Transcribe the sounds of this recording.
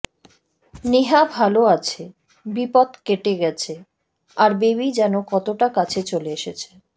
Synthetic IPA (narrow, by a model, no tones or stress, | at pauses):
neɦabʱaloat͡ɕʰe | bipɔd̪keʈeɡɛt͡ɕʰe | aɾbeβid͡ʑɛnokɔt̪oʈakat͡ɕʰet͡ɕoleeʃet͡ɕʰe̥